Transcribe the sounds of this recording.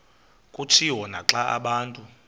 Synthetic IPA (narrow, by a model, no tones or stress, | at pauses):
kʼutʰiwɔnaǁaʔa̰ɓaːntʼu